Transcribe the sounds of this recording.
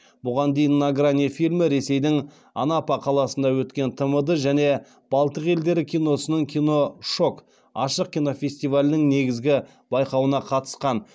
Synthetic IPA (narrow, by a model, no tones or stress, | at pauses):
bʊʁɑnd̪e̞jɪnːaɡranʲifilʲmɪɾe̞se̞jd̪ɪŋ | ɑ̰napɑqʰɑlˠɑsənd̪ɑwɵt̪kʲe̞nt̪ʰəməd̪əʒæne̞ | b̥ɑlˠt̪əqe̞ld̪e̞ɾɪkʲʰijno̞sənəɴkʲʰijno̞ʃo̞k | ɑʃəq̚kʲijno̞fʲe̞st̪ijvalʲɪnɪŋne̞ɡʲɪzɡʲɪ | bɑjqɑwənɑqʰɑt̪ə̥sqɑn